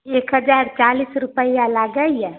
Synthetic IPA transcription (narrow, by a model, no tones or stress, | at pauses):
ekɦəd͡ʒaɾt͡ʃalisɾupəjalaɡəijɛ